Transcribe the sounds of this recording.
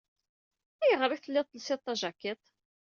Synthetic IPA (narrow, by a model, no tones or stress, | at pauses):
æjəʁɾˤiθəlːɪðˤt̪ːəlseðt̪ˤːɑʒækːet̪ˤ